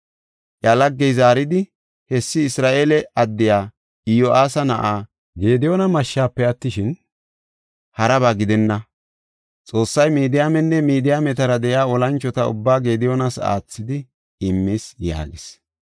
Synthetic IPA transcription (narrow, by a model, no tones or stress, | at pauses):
ʔjɐlɐɡːɛjzaːɾɪd̪ɪ | hɛsːɪːsɾaːʔeːlɛʔɐd̪ːɪjaː | ɪjoʔaːsɐnɐʔaː | ɡe̞ːd̪ɪjoːnɐmɐʃːaːpːɛɐt̪ːɪʃɪn | hɐɾɐβaːɡɪd̪ɛnːɐ | t͡sʼo̞ːsːɐjmiːd̪ɪjaːmɛnːɛmiːd̪ɪjaːmɛt̪ɐɾɐd̪ɛjaːɔlɐnt͡ʃːɔt̪ɐʊ̰bːaːɡe̞ːd̪ɪjonɐsa̰ːt͡sːɪd̪ɪ | ɪmːisja̰ːɡɪs